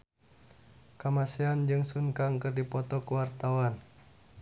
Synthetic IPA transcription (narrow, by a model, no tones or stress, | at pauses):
kamasiand͡ʒɨŋsunkaŋkɨrdipɔt̪ɔkuwart̪awan